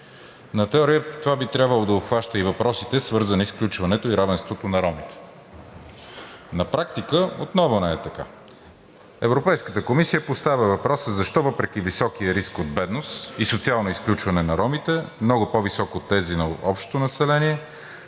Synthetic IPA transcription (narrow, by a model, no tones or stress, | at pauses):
nɐt̪ɛɔɾiət̪ovabit̪ɾʲabvəlˠod̪ɐopxvaʃt̪əivɐpɾɔsit̪ɛsvɤɾzənisklʲut͡ʃvɐnɛt̪oiɾavɛnst̪vot̪onɐɾɔmit̪ɛ̥ | nɐpɾak̚t̪ikəot̪nɔvonɛɛt̪ɐka̰ | ɛvɾopɛjskət̪əkomisijəpost̪avʲəvɐpɾɔsəzɐʃt̪ɔvɤpɾɛk̟ivisɔk̟ijəɾiskod̪̚bɛd̪nosisot̪sialˠnoisklʲut͡ʃvɐnɛnɐɾɔmit̪ɛmnɔɡʊpovisɔkot̪ːɛzinɐɔpʃt̪t̪onɐsɛlɛniɛ